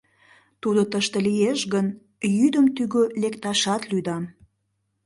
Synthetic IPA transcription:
t̪ud̪ot̪əʃt̪əlijeʃɣən | jyd̪əmt̪yɣølekt̪ɑʃɑt̪lyd̪ɑm

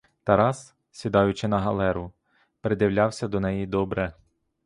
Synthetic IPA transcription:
t̪ɐɾɑs | sʲid̪ɑjʊt͡ʃɪnɐɦɐlˠɛɾʊ | pɾɪd̪ɪwlʲɑwsʲɐd̪ɔnɛjid̪ɔbɾɛ

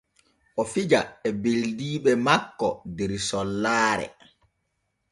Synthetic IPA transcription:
ʔɔfid͡ʒaɛbeldiːɓɛmakːɔ̰deɾsɔlːaːɾɛ̰

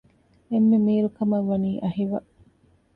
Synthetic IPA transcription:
emːemiːɾukɐmɐʋːɐniːʔɐɦiʋɐʔ

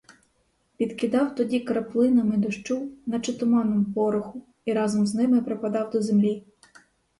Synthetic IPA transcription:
pʲid̪kʲɪd̪ɑwt̪ɔdʲikɐɾɐplˠɪnɐmɪd̪ɔʃt͡ʃuwnɐt͡ʃɪt̪ʊmɑnɔmpɔɾʊxʊ | iɾɑzɔmznɪmɪpɾepɐd̪ɑwd̪ɔzemlʲi

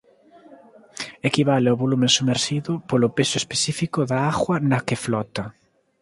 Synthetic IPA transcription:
ekiβaleoβolumẽŋsumeɾʃiðʊpolʊpesʊespesifikʊðaaɣwɐnɐkɪflɔt̪ɐ

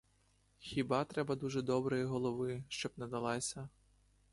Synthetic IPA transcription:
xʲibɑt̪ɾɛbɐd̪uʒɛd̪ɔbɾɔjiɦɔlˠɔʋɪʃt͡ʃɔbnɐd̪ɐlˠɑsʲɐ

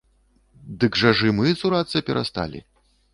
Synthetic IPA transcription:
d̪ɨɡʐɐʐɨmɨzuɾat̪sɐpʲɛɾʔa̰st̪a̰lʲḭ

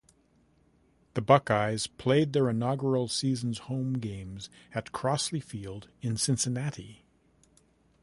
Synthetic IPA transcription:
ðɨbʌkaɪz̥pʰl̥eɪd̪̚ðə˞ɨnɑɡə˞l̩ˠsizn̩z̥hõʊ̃mɡẽɪ̃mzɨt̚kʰɹ̥ɑslifilˠdɨ̃nsɪ̃nsɨnæɾi

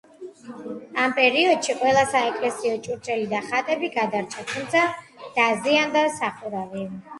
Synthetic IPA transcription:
ampʼɛɾiɔd̪ʃiqʼwɛlˠasaɛkʼlɛsiɔt͡ʃʼuɾt͡ʃʼɛlid̪aχat̪ʼɛbiɡad̪aɾt͡ʃʰat̪ʰumt̪sʰa | d̪̥aziand̪asaχuɾavi

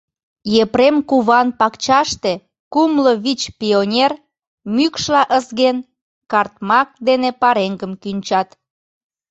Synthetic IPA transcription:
jepɾemkuβɑnpɑkt͡ɕɑʃt̪e | kumloβit͡ɕpʲionʲer | mykʃlɑʔəzɣen | kɑrt̪̚mɑk̚d̪enepɑɾeŋɡəmkynʲt͡ɕɑt̪

